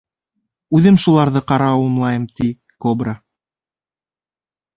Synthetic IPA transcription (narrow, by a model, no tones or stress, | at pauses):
ʉðɘmʃulˠɑɾðɤqɑɾɑːwɤ̆mlˠɑjɤmt̪i | kobɾa